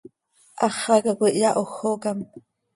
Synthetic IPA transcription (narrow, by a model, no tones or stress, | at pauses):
ʔɑχɑkakʷiʔjaʔoxokam